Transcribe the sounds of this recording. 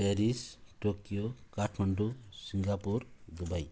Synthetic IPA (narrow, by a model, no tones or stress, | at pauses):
peɾisʈokijokaʈʰmanɖusiŋɡapuɾd̪ubaj